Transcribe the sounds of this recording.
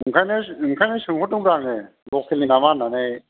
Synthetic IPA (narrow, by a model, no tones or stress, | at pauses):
ɯŋkʰajnɯɯŋkʰajnɯsɯŋhɔt̚ːɯŋbɾaŋe | lɔkʰelinamananej